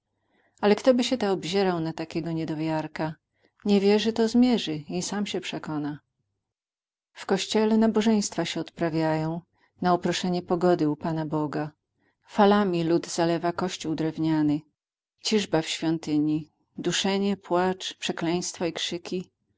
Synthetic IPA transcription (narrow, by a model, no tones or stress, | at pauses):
alɛkt̪ɔbɘɕɛt̪aɔbʑɛɾawnat̪akʲɛɡɔɲɛd̪ɔvʲjaɾka | ɲɛvʲjɛʐɘt̪ɔzmʲjɛʐɘisamɕɛpʂɛkɔna | fkɔɕt͡ɕɛlɛnabɔʐɛj̃st̪faɕɛɔt̪pɾavʲjajɔ̃w̃ | naupɾɔʂɛɲɛpɔɡɔd̪ɘupanabɔɡa | falamʲilud̪z̥alɛvakɔɕt͡ɕuwd̪ɾɛvɲanɘ | t͡ɕiʐbafɕfʲjɔnt̪ɘɲi | d̪uʂɛɲɛpwat͡ʂpʂɛklɛj̃st̪faikʂɘkʲi